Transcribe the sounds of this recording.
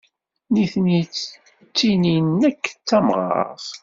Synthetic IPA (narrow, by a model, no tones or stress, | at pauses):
niθnit͡sː | t͡sːininːækːt͡sːæmʁɑ̰ɾˤθ